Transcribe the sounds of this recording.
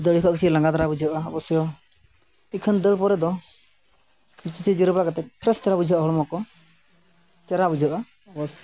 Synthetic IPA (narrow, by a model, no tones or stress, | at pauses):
d̪əɽikʰɔʔkit͡ʃʰilaŋɡad̪aɾabud͡ʒaʔaɔbɔsjɔ | ikʰənd̪əɭpɔɾɛd̪ɔ | kit͡ʃit͡ʃid͡ʒɔɾɛbɽakat̪ɛp̚pʰɾɛst̪aɾabud͡ʒʱaʔaɦɔɽɔmɔkɔ | t͡ʃɛɾabud͡ʒʱaʔa | ɔbɔs